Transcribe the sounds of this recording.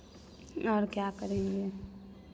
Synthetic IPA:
ɔːɾkjakəɾẽːŋɡe

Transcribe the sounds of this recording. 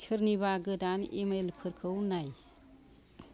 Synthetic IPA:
tʰɯɾniβaɡɯdanemelpʰɯɾkʰɯwnaj

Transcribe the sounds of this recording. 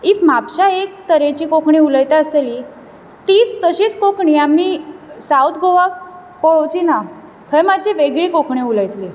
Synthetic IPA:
ifm̤apɕaekt̪əɾẽt͡ɕiːkokɳĩuləjt̪aəseli | t̪iːt͡st̪əɕiːt͡skokɳiamisawt̪ʰɡoʋak̚ | pəɭowt͡ɕina | t̪ʰəjmad̪̚t͡ɕeʋeɡɭikokɳiuləjt̪li

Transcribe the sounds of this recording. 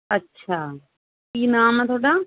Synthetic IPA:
ɐtːʃʰaː | iːnaːmət̪ʰoːɽa

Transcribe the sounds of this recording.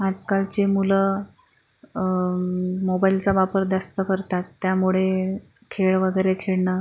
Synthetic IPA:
ad͡zkalt͡ɕemulə | mobailt͡saʋapəɾd̪ast̪əkəɾt̪at̪ːjamuɭe | kʰeɭʋəɡəjɾekʰeɭɳə

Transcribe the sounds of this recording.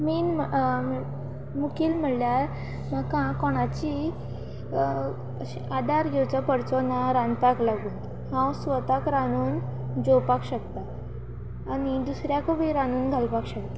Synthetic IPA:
miːnmmə | mukiːlm̤əɽljaɾ | makãkɔɽ̃at͡ɕi | ad̪aɾɡʱewt͡sapəɽt͡sɔnaɾanpaklaɡuːn | hãwsʋət̪akɾanuːn | d͡ʑowpakɕəkt̪aː | nid̪usɾjakobʱiɾanuːnɡʱalpakɕək̚t̪a

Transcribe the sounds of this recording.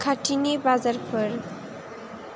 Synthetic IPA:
kʰaʈinibad͡zaɾpʰɔɾ

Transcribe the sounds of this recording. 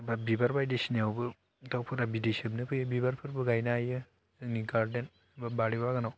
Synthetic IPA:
babibaɾbajdesinijawbɯ | tawpʰɯɾabidisɯmnɯpʰɯjɯbibaɾpʰɯɾbɯɡajnaajɯ | ɯniɡaɾdent | babaɽibaɡanaw

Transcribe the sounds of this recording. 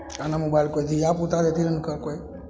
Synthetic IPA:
anamobajlkojd͡ʒ̪ijaput̪aɾet̪iɾənkəɾkoj

